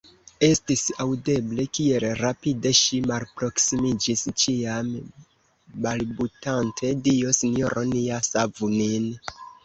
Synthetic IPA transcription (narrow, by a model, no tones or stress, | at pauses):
e̞stisawde̞ble̞kie̞lɾapide̞ʃimalpɾo̞ksimid͡ʒist͡ʃiam | malbutantʰe̞dio̞sinjoɾoniasavunin